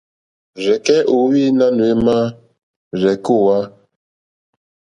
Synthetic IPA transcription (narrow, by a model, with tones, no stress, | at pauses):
ɾɛ˨kɛ˦ʔo˨˦wi˦na˦nu˨e˦ma˦ | ɾɛ˨ku˦˨wa˦